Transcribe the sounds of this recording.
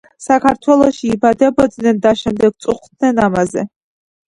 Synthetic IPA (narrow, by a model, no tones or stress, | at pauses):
sakʰart̪ʰwɛloʃiːbad̪abad͡znɛndaʃɛmd̪ɛɡ̚t͡sʼʊχʷt̪̚ʰnɛnamazḛ